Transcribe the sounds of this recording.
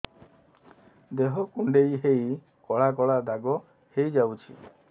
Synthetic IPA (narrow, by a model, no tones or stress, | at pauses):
d̪eɦɔkuɳɖejɦej | kɔɭakɔɭad̪aɡɔ | hejd͡ʒawt͡ʃʰḭ